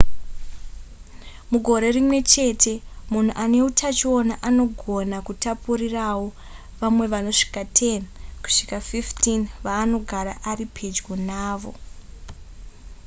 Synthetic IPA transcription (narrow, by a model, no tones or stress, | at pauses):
muɡʱo̞ɾe̞rimwe̞t͡ʃe̞tʰe̞mun̤uʔane̞utʰat͡ʃio̞naʔano̞ɡʱo̞nakutapurirawo | ʋamwe̞ʋano̞ʂi̥katʰe̞nku̥ʂikafiftinʋaːno̞ɡʱaɾa̰ʔaɾipʰe̞d͡ʒɡonaːʋo̞̰